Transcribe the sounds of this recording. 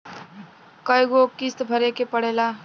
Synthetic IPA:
kʌjɡokist̪bʱəɾekepəɽela

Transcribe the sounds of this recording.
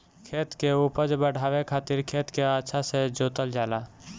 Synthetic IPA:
kʰeːt̪keupəd͡ʒbəɽʱaːʋekʰaːt̪ɪɾkʰeːt̪keaːʃʰased͡ʒoːt̪əld͡ʒaːla

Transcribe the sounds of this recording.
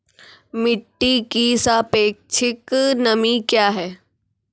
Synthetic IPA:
mɪʈːikisapeːk̚t͡ʃʰɪknɐmikjaːɦɛː

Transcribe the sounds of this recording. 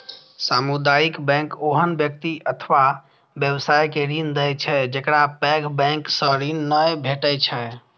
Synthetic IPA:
samud̪aikbɛ̃ŋkoɦənbjək̚t̪iət̪ʰʋa | bjəbsajkeɾind̪əjt͡ʃʰɛd͡ʒəkɾapɛɡbɛ̃ksəɾinːəjbʱeʈəjt͡ʃʰɛ

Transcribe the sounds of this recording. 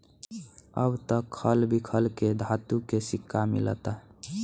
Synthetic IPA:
ə̰bt̪əkʰːəlbʱikʰəlked̪ʱat̪ukesɪkʰːamɪ̰lət̪aɦ

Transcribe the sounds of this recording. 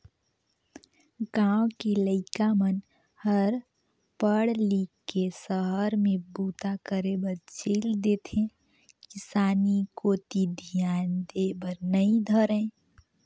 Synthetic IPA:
ɡãːw̃keləɪkamən | həɾ | pəɽlikːesəɦəɾmẽbuːt̪akəɾebəɾt͡ʃʰeːld̪eːt̪ʰẽ | kɪsaːnikoːt̪id̪ʱjaːnd̪ebəɾnəĩd̪ʱəɾẽ

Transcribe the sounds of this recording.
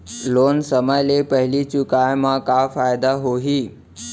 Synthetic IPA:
loːnsəməjlepəɦɪlit͡ʃʊkajmãkafaːjd̪aɦoɦiː

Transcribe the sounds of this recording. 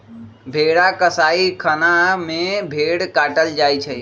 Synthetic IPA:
bʱeɽakəsaikʰənamebʱeɽkaʈəld͡ʒajt͡ʃʰɛ

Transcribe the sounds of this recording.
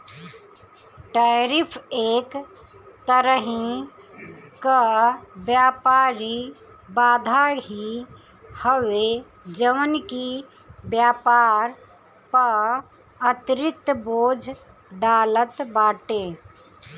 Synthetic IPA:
ʈaːɾipʰeːk | t̪əɾəɦĩ | kabjaːpaːɾi | baːd̪ʱaɦi | həwe | d͡ʒəʋənki | bjaːpaɾ | pə | ət̪ɾɪt̪boːd͡ʒʱ | ɖaːlət̪baːʈe

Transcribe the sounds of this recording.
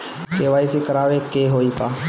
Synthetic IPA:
keʋaːisikəɾaːʋekeːɦoːiːpaː

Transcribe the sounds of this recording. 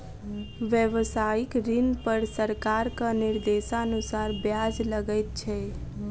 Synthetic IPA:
ʋjəʋsaikɾɪnpəɾsəɾkaɾkanɪɾd̪esaənusaɾbjad͡ʒləɡəjt̪̚t͡ʃʰɛ

